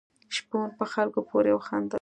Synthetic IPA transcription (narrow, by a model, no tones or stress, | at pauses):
ʃponpəxalkopʰoɾejawxand̪a